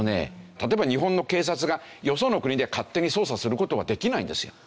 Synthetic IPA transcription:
ne̞̰t̪at̪o̞ebaɲ̟iɦõ̞nːo̞ke̞ːs̬at͡sɨɡa | jo̞so̞ːno̞kɯ̟ɲ̟id̪e̞kat̪ːe̞ɲ̟iso̞ːsasɨɾɯ̟ko̞t̪o̞β̞ad̪e̞kʲinaĩnd̪e̞sɨjo̰

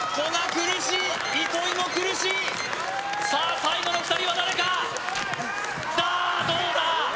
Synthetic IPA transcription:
ko̞ɡakɯ̟ɾɯɕi | bʲiko̞imokɯ̟ɾɯ̟ɕiː | saːsaiɡo̞no̞ɸɯ̟t̪aɾʲiβad̪aɾe̞ka | d̪ad̪oːd̪a

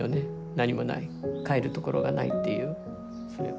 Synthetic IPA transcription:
one | naɲ̟imo̞na̰ikaeɾɯ̟t̪o̞ko̞ɾo̞̰ɡana̰ḭt̪ːe̞jɯ̟ː | so̞ɾḛ

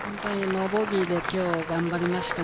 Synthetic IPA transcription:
hõ̞nt̪o̞ɲ̟inoboɡʲid̪e̞kʲo̞ːɡãmbaɾʲimaɕi̥t̪a

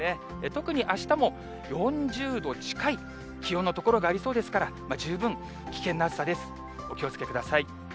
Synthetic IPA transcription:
e | et̪o̞kɯ̟ɲ̟iʔaɕi̥t̪amo̞ | jõ̞ɲd͡ʑɨːd̪o̞t͡ɕi̥kai | kʲijõ̞nːot̪o̞ko̞ɾo̞ɡaːɾʲiso̞ːd̪e̞sɨ̥kaɾamad͡ʑɨːbɯ̟̃ŋ | kʲi̥kẽ̞nːoaɨ̥sad̪e̞sɨ̥ | o̞kʲio̞t͡sɨ̥ke̞kɯ̟d̪asai

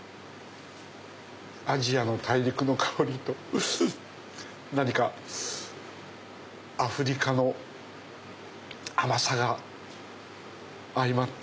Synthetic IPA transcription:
aʑiano̞t̪ʰaiɾʲikɯ̟no̞kʰaoɾʲit̪o̞ | naɲ̟ika | aɸɯ̟ɾʲikano̞ | amasaɡa | ɾʲimat̪ː

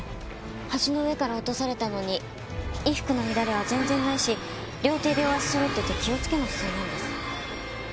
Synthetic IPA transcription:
haʑino̞ɯe̞kaɾao̞t̪o̞saɾe̞t̪ano̞ɲ̟i | iɸɯ̟̥kɯ̟no̞mʲid̪aɾe̞β̞azẽ̞nzẽ̞nːaiɕi | ɾʲo̞ːt̪e̞ːd̪eoβasɨ̥sɨɾɯt̪ːoit̪ːekʲio̞t͡sɨ̥ke̞noçɨ̥zɨːnãnd̪e̞sɨ̥

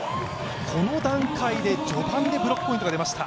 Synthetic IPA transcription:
kʰo̞no̞d̪ãŋkaid̪e̞d͡ʑo̞bãnd̪e̞bɯ̟ɾo̞kːɯ̥pːo̞ĩt̪oad̪e̞maɕi̥t̪a

